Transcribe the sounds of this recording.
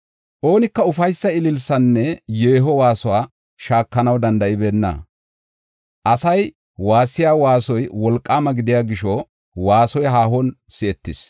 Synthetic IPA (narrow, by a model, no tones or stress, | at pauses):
ʔo̞ːnɪkːɐʊfɐjsːɐɪlɪlsɐnːɛjeːɦɔwaːsʊwaː | ʃaːkːɐnɐwd̪ɐnd̪ɐʔɪbe̞ːnːɐ̰ | ʔɐsɐj | waːsːɪjaːwaːsɔjwɔlkʼːaːmɐɡɪd̪ɪjaːɡɪʃɔ | waːsɔjɦaːhɔnsɪɛt̪ːɪs